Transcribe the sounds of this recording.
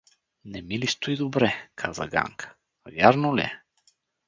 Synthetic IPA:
nɛmilist̪ʊid̪obɾɛkʰazə̰ɡa̰ŋkʰə̥ | vʲjaɾnolʲɛ̰

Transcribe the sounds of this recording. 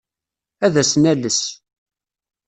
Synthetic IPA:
æðæsnæləs

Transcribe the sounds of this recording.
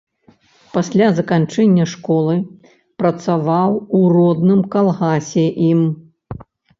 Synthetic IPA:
pasʲlʲazɐkant͡ʂɛnʲːɐʂkɔlˠɨ | pɾɐt̪savawurɔd̪nɨmkalˠɣasʲɛʔim

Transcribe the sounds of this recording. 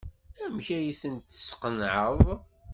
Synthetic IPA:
æmçæjiθənt̪ːə̥sqənʕəðˤ

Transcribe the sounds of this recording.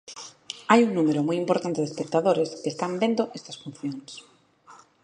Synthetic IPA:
ajuŋnumeɾomujimpoɾt̪ant̪eðespek̚t̪aðoɾeskeːst̪ambend̪oʔest̪ɐsfun̟θjoŋs

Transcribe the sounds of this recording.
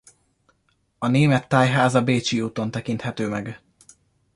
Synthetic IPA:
ɒneːmɛt̪ːaːjɦaːzɒbeːt͡ʃiuːt̪o̞nt̪ɛkint̪hɛt̪øːmɛɡ

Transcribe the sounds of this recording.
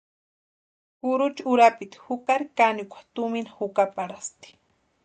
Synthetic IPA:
kʊɾʊt͡ʃʊɾapɪt̪hʊkaɾkanikʷḁt̪ʊmɪnahʊkapaɾast̪i̥

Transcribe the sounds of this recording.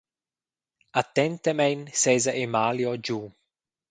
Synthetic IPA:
at̪ːɛnt̪emɛjnsɛzaʔemaljod͡ʒu

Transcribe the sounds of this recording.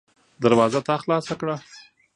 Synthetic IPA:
d̪aɾwɑzat̪ɑxlɑsakɽa

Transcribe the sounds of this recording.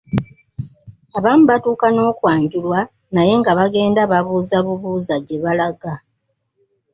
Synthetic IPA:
aβaːmuβatuːkano̞ːkwaːɲɟulwa | naje̞ŋɡaβaɡe̞ːndaβaβuːzaβuβuːzaɟe̞βalaɡa

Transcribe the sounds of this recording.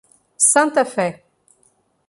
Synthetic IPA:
sɛ̃nt̪afɛ

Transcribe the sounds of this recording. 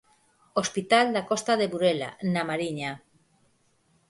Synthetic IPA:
ospit̪ald̪akɔst̪aðeβuɾela̰namaɾiɲa

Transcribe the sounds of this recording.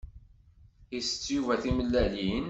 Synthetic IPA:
isə̥t͡sːjuvæθiməlːælin

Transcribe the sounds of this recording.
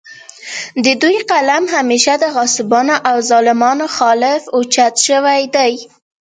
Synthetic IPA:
d̪əd̪ujqalamɦameʃad̪əɣɑsɪbɑnoʔawzɑlɪmɑnoxɑlɪfot͡ʃat̪ʃəwajd̪aj

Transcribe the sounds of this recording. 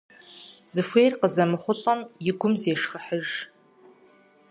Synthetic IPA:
z̥ɨfʷeːrqəzɐmɨχʷʊɬʼɐmjɪɡʷʊmzeːʂxəħəʒ

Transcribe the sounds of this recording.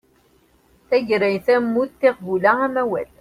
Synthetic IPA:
θæʝɾæjθæmːuθθeqbulææmæwæ̰l

